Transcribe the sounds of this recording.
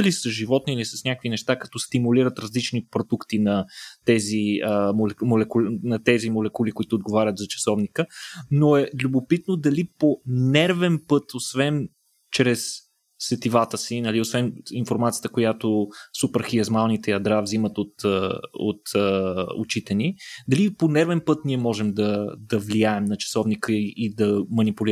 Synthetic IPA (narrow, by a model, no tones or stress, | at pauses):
ɐlisəʒivɔt̪niːlisɐsnʲakəkvinɛʃt̪akɐ̥t̪ɔst̪imuliɾət̪ɾɐzlit͡ʃnipɾod̪ukt̪inɐt̪ɛziəmolɛmolɛkulnɐt̪ɛzimolɛkulikoit̪oːd̪̚ɡovaɾʲət̪zɐt͡ʃɐ̥sɔvnikənoɛlʲubopit̪nod̪ɐliponɛɾvɛnpɤt̪osvɛn | t͡ʃɾɛsː | ɛt̪ivat̪əsinɐliosvɛninfoɾmat̪sijə̥t̪əkojat̪osupɛɾxiɐzmalˠnit̪ɛjɐd̪ɾavzimət̪ot̪əo̰t̪əo̰t͡ʃit̪ɛnid̪ɐliponɛɾvɛnpɤt̪niɛmɔʒɛmd̪ɐd̪ɐvlijaɛmnɐt͡ʃɐ̥sɔvnikəiʔid̪ɐmɐnipʊli